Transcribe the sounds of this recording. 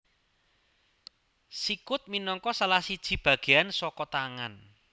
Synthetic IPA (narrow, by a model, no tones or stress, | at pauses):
sikʊt̪̚minɔŋkɔsalahsid̥ʒ̥i̤b̥ä̤ɡ̥e̤ansɔkɔt̪aŋan